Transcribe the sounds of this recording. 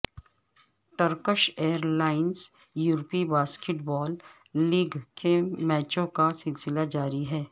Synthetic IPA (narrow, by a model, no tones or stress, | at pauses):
ʈəɾkəʃeːəɾlaːɪns | juːɾpibaːskeʈbɔːlː | iːɡkemɛːt͡ʃõkasɪlsɪlad͡ʒaːɾiɦɛː